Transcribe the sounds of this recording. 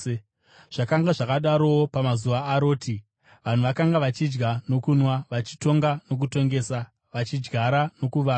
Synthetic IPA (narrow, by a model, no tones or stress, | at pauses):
ʐ̥akaŋɡaʐakaɗaɾo̞opamazuʋaːɾo̞ːti | ʋan̤uʋakaŋɡaʋat͡ʃid͡ʒɡano̞kunwaʋat͡ʃito̞ŋɡano̞k̬uto̞ŋɡe̞ːsa | ʋat͡ʃid͡ʒɡʱaɾano̞kuʋaː